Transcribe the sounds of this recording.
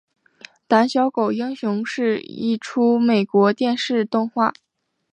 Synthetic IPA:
t̪a˧˥nɕjɑ˧˥ʊko˨˩ʊi˥ŋɕʊ˧˥ŋʂɻ̩˥˧ḭ˥˩ʈ͡ʂʰu˥me˨˩ɪkwɔ˧˥t̪jɛ˥˧nʂɻ̩˥˧t̪ʊ˥˧ŋxwa̰˥˩

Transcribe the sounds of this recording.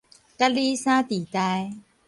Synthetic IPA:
ka˦˥liː˦saː˦˥t̪i˨˩t̪a˧j

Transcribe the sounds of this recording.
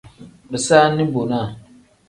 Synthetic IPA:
bɛ˨saː˦nɨ˦bo˨na˦˨

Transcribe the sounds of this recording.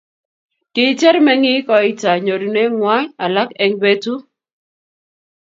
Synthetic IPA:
kɪ˨tɛ˦ɾmɛ˦ŋɪ˦kɔ˨ɪ˦ta˨ɲo˨ɾi˨ne˦ŋwa˦ɲa˨la˦kɛ˨ŋbe˦tu˦

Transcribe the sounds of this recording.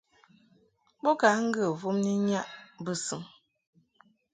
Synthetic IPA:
bo˦ka˨˦ŋ̩˦ɡə˦˨vu˦mni˦ɲa˦ʔbə˦sɨ˨˦ŋ

